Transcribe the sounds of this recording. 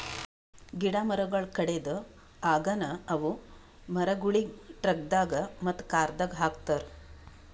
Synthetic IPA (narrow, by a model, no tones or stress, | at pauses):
ɡiɽamɐɾɐɡɐɭkɐɽed̪ə | aːɡɐnɐɐʋu | mɐɾɐɡuɭiʈɾɐk̚d̪aːɡɐmɐt̪ːkaːɾd̪ɐɡɦaːk̚t̪ɐɾ